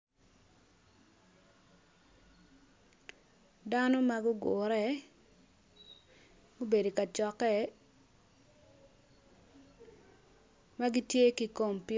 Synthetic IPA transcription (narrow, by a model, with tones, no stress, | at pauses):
da˦no˦maɡʊ˦ɡʊ˨ɾɛ˦ | ɡo˦be˨di˨ka˨t͡ʃɔ˨kɛ˦ | ma˦ɡi˦tje˦ki˨ko˦˨mpi˦